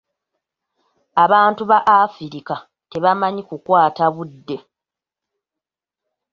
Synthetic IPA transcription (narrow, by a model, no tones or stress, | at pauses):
aβaːntuβaʔafiɾika | te̞βamaɲikukwaːtaβudːe̞